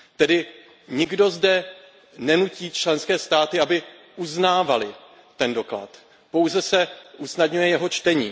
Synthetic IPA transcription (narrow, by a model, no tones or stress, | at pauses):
t̪ɛdɪ | ɲɪɡdo̞zdɛ | nɛnuciːt͡ʃlɛnskɛːst̪aːt̪ɪabɪ | uznaːvalɪ | t̪ɛndo̞kla̰t̪ | po̞wzɛsɛʔusnadɲujɛjɛɦo̞t͡ʃt̪ɛɲiː